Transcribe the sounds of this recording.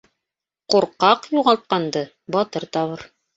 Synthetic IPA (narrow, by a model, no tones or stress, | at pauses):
quɾqɑqjuʁɑlˠt̪̚qɑnd̪ɤ | bɑt̪ɤɾt̪ɑβɤɾ